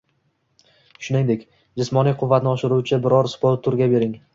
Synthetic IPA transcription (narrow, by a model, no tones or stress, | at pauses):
ʃʊnɪŋd̪ekʲ | d͡ʒɪsmɒnijqʰʊvːat̪nɪɒʃɪɾuwt͡ʃʰɪbɪɾɒɾspoɾt̪ʰːʊɾɡʲabe̞ɾɪŋ